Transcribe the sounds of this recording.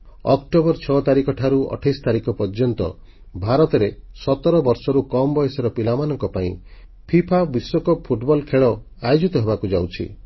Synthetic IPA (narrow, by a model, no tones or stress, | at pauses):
ɔkʈobɔɾt͡ʃʰɔt̪aɾikɔʈʰaɾuɔ̰ʈʰajst̪aɾikɔpɔɾd͡ʒɔnt̪ɔ̰ | bʱaɾɔt̪ɔɾesɔt̪ɔɾɔbɔɾsɔɾukɔmbɔjesɔɾɔpilamanɔŋkɔpaĩ | pʰipʰabiswɔkɔpʰuʈbɔlkʰeɭɔ | ajod͡ʒit̪ɔɦebakud͡ʒawt͡ʃʰḭ